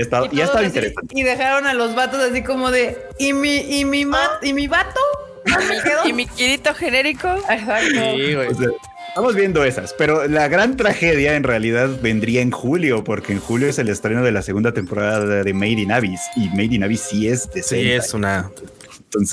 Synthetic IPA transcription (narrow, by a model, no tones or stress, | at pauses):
ast̪aðotiaesaðoiint̪ɾesant̪eiðexaɾo̞nalo̞zβat̪o̞sas̬iko̞mo̞ðe̞ | imiːmimat̪imiβat̪o | mkeðoimikiɾit̪oxeneɾikoesak̚toɣeose | est̪amo̞zβje̞nd̪o̞e̞sa̰spe̞ɾo̞laɣɾant̪ɾaxe̞ðjae̞nrealiðaðβe̞nd̪ɾiaenxuljo̞po̞ɾke̞ːnxuljoese̞le̞st̪ɾe̞no̞ð̞e̞lase̞ɣund̪at̪empo̞ɾaðaðaðe̞mejðinaβisimejðinaβisie̞zd̪eseesuna | nt̪onse